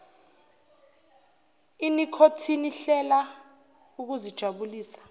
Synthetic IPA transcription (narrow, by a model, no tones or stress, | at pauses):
inikʰotʰiniɬɛla | uk̬uzid̥ʒ̥ʱaɓuliːsḁ